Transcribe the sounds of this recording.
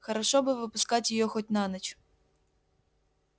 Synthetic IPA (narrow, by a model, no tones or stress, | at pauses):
xɐɾɐʃɔbɪʋɪpʊskatʲjɔjɔxɔtʲnɑnɐt͡ʃʊ̥